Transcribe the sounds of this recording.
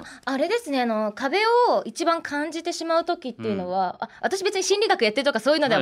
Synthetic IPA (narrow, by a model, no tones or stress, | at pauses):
aɾe̞d̪e̞sɨne̞ano̞kabe̞oit͡ɕibãŋkʰãɲd͡ʑit̪e̞ɕimaɯ̟t̪o̞kʲit̪ːe̞iɯ̟no̞β̞aa̰βa̰t̪aɕ̬ibe̞t͡sɨɲ̟iɕĩnʲɾʲiɡakɯ̟jat̪ːe̞ɾɯ̟t̪okaso̞ːjiɯnod̪e